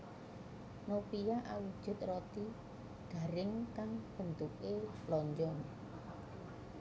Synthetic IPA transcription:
nopijaʔawid̥ʒ̥ʊ̤t̪̚rɔt̪i | d̥ä̤ɾɪŋkaŋb̥ə̤nt̪ukelɔɲd͡ʒɔŋ

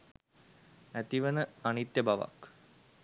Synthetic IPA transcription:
æt̪iʋənəanit̪jəbaʋa̰k

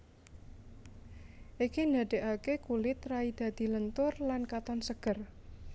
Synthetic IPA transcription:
ʔikind̪a̤ɖ̪̥e̤ʔakekulɪt̪raid̪̥a̤d̪̥i̤lənt̪ʊrlankat̪ɔnsəɡ̥ər

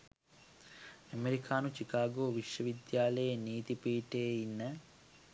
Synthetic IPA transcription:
ɐmeɾikʰaːnut͡ʃikaːɡoːʋiʂjɐʋid̪jaːlɐjɐniːt̪ipiːʈeːinːɐ

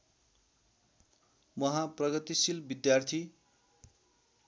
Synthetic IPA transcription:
mʌɦãprʌɡʌt̪isilbid̪jart̪ʰi

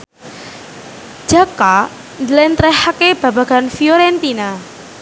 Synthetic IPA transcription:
d͡ʒ̥aka | ndlɛnt̪ɾɛhakeb̥a̤ba̤ɡ̥anfioɾɛnt̪ina

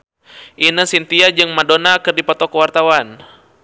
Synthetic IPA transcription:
ʔinəsint̪iad͡ʒɨŋmadonakɨrdipɔt̪ɔkəwart̪awan

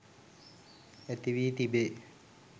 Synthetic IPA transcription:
et̪iʋiːt̪ibe

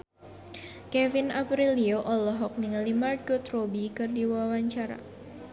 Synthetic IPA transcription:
kɛvɪnapɾilioʔɔlɔɦɔk̚niŋlimard̪̚ɡot̪robikɨrdiwawaɲt͡ʃaɾa̰

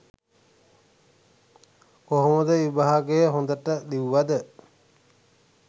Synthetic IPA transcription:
oɦoməd̪əibaɦaɡejɦond̪əʈəɗ̪iwʋad̪ə

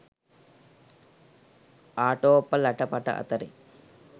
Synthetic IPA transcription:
aːʈoːpːɐlɐʈɐpɐʈɐ̰ʔɐ̰t̪ɐɾḭ

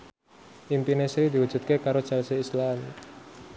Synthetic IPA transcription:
ʔimpinesɾid̪iwu̥ʒ̥ṳt̪̚kekaɾot͡ʃalseislaan

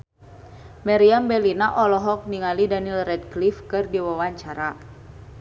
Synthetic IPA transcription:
mɛɾiambɛlinaʔɔlɔɦɔk̚niŋalidanilrɛd̚klifkɨrdiwawaɲt͡ʃaɾa

